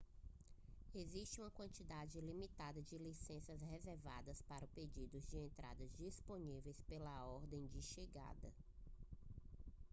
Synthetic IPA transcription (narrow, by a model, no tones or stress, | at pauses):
ezist͡ʃɪũmɐkwɐ̃nt͡ʃid̪ad͡ʒɪlimit̪ad̪ɐd͡ʒɪlisẽsɐzhezeɾva̰d̪ɐspaɾʊped͡ʒid̪ʊzd͡ʒɪẽnt̪ɾa̰d̪ɐzd͡ʒisponivejspelɐɔɾd̪ẽj̃d͡ʒɪʃeɡa̰d̪ɐ